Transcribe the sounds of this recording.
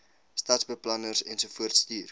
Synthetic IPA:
stɐtsbəplɐnərsɛnsufuərtstiːr

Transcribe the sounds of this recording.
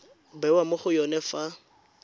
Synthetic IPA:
bɛwamʊχʊjɔnɛfa

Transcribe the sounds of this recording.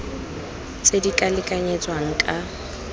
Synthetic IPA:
t͡sʼedikʼalɪkʼaɲɛt͡sʼwaŋ̩kʼa

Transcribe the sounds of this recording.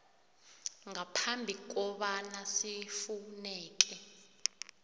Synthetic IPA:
ŋapʰambʱik̬ɔɓanasifunɛːk̬ɛ

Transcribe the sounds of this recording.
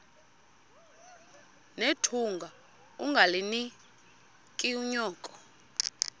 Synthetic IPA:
netʰuŋɡʱa | uŋɡʱalini | kʼiuɲɔːkʼɔ̥

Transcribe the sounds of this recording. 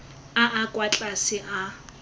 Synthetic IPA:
aʔakʼwat͡ɬʼasɪʔa

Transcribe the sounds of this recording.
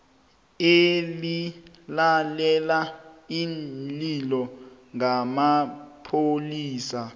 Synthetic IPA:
eli | lalɛlaililɔ | ŋamapʰoliːsa

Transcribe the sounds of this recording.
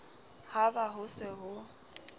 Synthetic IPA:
habaɦʊsɪɦʊ

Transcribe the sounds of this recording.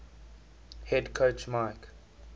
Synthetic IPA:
hɛdkʰot͡ʃmaɪk

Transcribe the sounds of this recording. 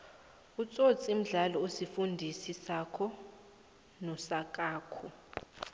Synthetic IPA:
ut͡sʼot͡sʼim̩ɮalɔosifundʱisisakʰɔ | nɔsakʼaːkʰɔ

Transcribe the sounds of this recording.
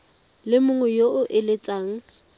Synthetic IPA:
lɪmʊŋwɛjoʊʔɪlet͡sʼaːŋ̩

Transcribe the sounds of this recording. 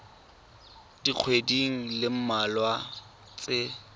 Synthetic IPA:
d̥ik͡xʰwediŋ̩lɪm̩malwa | t͡sʼɪ

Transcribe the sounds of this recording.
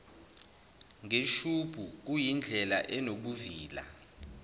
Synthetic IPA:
ŋeʃub̥ʱuk̬ujind͡ɮʱɛlaʔɛnokuviːla̰

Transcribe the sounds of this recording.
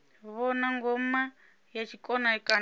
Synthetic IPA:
βɔnaŋɡɔma | jat͡ʃʰikʼɔnaikʼa

